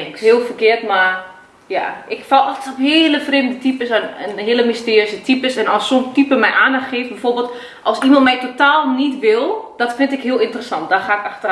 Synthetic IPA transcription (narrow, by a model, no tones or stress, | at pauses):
ɪkshiəlˠfəkɪətma | ja̰ʔɪkfɔlˠɔxtəsɔpheːləfreːmdətipəsnənɦɪələmistjøːsətʰipəsɛnɔsontipəmɛjʔaːndaxxeːfbɛforbeːlˠt | ʔɔlˠsimɔnt̚mɛjtotaːlˠnitʋɪlˠdɔtfɪntɪkhiəlˠɪntərəsɑnt̚d̥axaːɪkaxtə